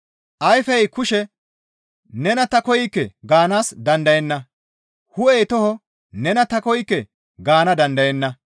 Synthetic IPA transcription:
ʔɐjfɐjkʊʃɛ | nɛnɐt̪ɐkɔjɪkːɛ̰ɡaːnaːsd̪ɐnd̪ɐjɛnːɐ | hʊejːt̪ɔhɔ | nɛnɐt̪ɐkɔjɪkːɛ | ɡaːnɐd̪ɐnd̪ɐjɛnːɐ

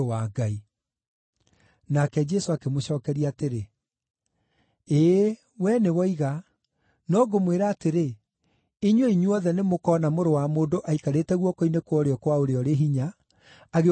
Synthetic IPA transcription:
aɡai | nakɛd͡ʒɛsoakemoɕɔːkɛɾiaːteɾe | eː | wɛnewɔiɣa | nɔɡomweɾaːteɾe | iɲweiɲuɔðɛnemokɔːnamoɾowamoːndoʔaikaɾeːtɛɣwɔkoinekwɔɾeɔkwaoɾeɔɾeɦiɲaː | ɣe

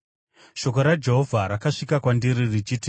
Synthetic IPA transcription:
ʃo̞ko̞ɾad͡ʒe̞ɦo̞vʱaɾakaʂikakwandiɾirit͡ʃiːti

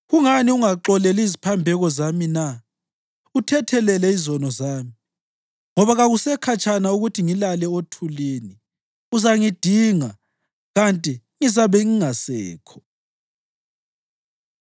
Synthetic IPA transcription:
ɣuŋaniuŋaǁɔlɛlizipʰambʱɛɣɔzamina | utʰɛtʰɛlɛlɛizɔnɔzaːmi | ŋɔβaɣaɣusɛkʰat͡ʃʼʰanauɣutʰiŋilalɛotʰuleːni | uzaŋid̥ʱiŋa | ɣantʼi | ŋizaβɛŋiŋasɛ̰ːkʰɔ̥

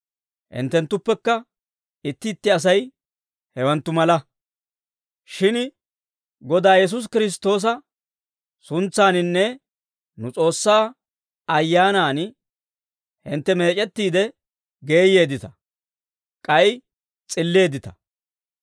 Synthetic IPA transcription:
hɪ̰nt̪ːɛnt̪ːʊpːɛkːɐ | ɪt̪ːɪːt̪ːɪɐs̬ɐj | hɛwɐnt̪ːʊmɐlɐ | ʃɪn | ɡɔd̪aːjɛs̬ʊs̬kɪɾɪs̬t̪o̞ːs̬ɐ | sʊnt͡sːaːnɪnːɛ | nʊt͡sʼo̞ːsːaː | ɐjːaːnaːn | hɪnt̪ːɛme̞ːt͡ʃʼɛt̪ːiːd̪ɛ | ɡe̞ːje̞ːd̪ɪt̪ɐ̥ | kʼɐj | t͡sʼɪlːe̞ːd̪ɪt̪ɐ̥

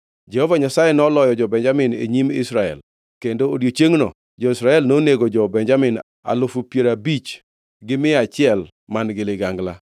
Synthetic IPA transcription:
d͡ʒɛhovaɲasajenɔlɔjɔd͡ʒɔbɛɲd͡ʒamɪnḛɲimɪ̰sɾaɛ̰l | kendoodjot͡ʃeŋnɔ | d͡ʒɔɪsɾaɛlnoneɡod͡ʒɔbɛɲd͡ʒamɪn | a̰lʊfupjeɾabit͡ʃ | ɡɪmɪat͡ʃɪɛl | manɡɪlɪɡaŋɡla̰

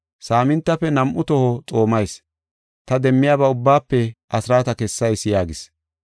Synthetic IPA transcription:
saːmɪnt̪ːɐpːɛnɐmʔʊt̪ɔhɔt͡sʼo̞ːmɐjs | t̪ɐd̪ɛmːɪjaːbɐʊbːaːpːɛʔɐsɾaːt̪ɐkɛsːɐjsɪjaːɡɪs

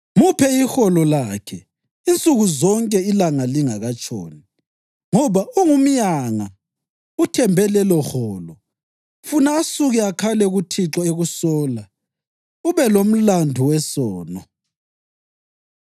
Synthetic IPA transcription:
mupʰɛixɔlɔlakʰɛ | int͡sʼuɣuzɔŋkʼɛilaŋaliŋaɣat͡ʃʼo̰ːni | ŋɔβauŋum̩ɲaŋa | utʰɛmbʱɛlɛlɔxɔːlɔ | funaːsuɣiakʰalɛɣutʰiǁɔeɣusɔːla | uβɛlom̩landʱuwɛsɔːnɔ

